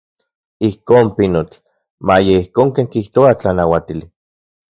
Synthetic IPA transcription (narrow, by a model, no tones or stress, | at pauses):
ihkoːmpinot͡ɬ | majeihkoːŋkeːŋkiht̪oat͡ɬanawat̪ili